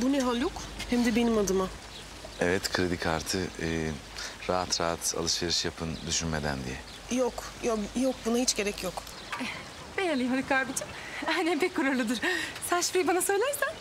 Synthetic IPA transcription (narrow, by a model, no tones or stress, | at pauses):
buneɦalʲjokhɛmd̪ɛbe̞nimad̪ɯma | evɛt̪kʰɾed̪ikʰaɾt̪ʰɯɯː | ɾaɦat̪ɾaːat̪a̰lˠɯʃveɾɯʃjapʰɯnd̪yʃynme̞d̪æ̰nd̪ijɛ | jok | jojok̚bunahit͡ʃɟe̞ɾɛcʰjok | ɛ | bejalʲiɦalʲikʰaɾbit͡ʃʰin | anɛpʰɛc̚kʰːuɾaɾlˠɯd̪ɯɾsænʃfɾijbanasø̞jlʲæɾsæ